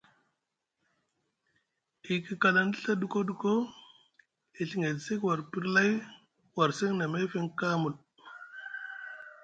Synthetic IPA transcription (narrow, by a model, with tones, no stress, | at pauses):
i˨ki˦ka˨la˨n˦di˦ɬa˦du˨ko˦du˨ko˦ | i˨ɬi˨ŋe˨dse˦kwa˨ɾpi˦ɾla˦j | wa˨ɾse˦ŋna˨me˦fe˦ŋka˦mu˨l